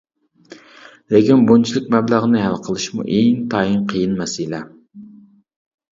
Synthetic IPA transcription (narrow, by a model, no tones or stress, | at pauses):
lekʲinbont͡ʃʰilˠɪk̚ʲmɛblˠæʁənɪɦælˠqʰəlˠɨʃmṵʔeŋt̪ʰɑjinqʰəjɨnmɛsɪlɛ